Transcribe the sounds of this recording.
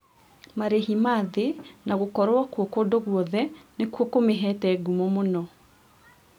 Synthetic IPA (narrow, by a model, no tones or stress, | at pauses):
maɾeɦimaðenaɣokɔɾwakwɔkodoɣwɔðɛnekwɔkomeɦɛtɛɡumɔmonɔ